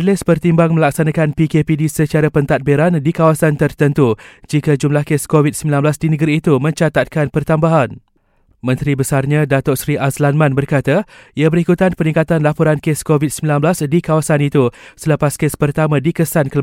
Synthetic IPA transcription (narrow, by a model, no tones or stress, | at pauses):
lɪspərt̪imbaŋmə̃laksanãkanpikepidisət͡ʃaɾapənt̪at̪̚beɾandikawasant̪ərt̪ənt̪ud͡ʒikad͡ʒumlahkeskovit̪̚səmbilanblasdinəɡaɾiːt̪umə̃ɲt͡ʃat̪at̪̚kanpərt̪ambaɦan | mə̃nt̪ɾibəsarɲãdat̪ɔsɾiʔaslanmãnbərkat̪aiabəɾikut̪anpənĩŋkat̪anlapɔɾankeskovit̪̚səmbilanblasdikawasanit̪usələpaskespərt̪amãdikəsankəl